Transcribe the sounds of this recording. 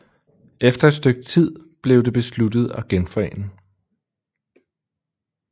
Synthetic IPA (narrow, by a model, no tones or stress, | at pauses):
ʔefd̥ɐe̝d̥sd̥øɡ̥̚t͡sʰið̞̰ˠb̥le̝ʊd̥e̝b̥e̝slud̥ð̞̩ˠɒɡ̥enfɒ̽ḛːnə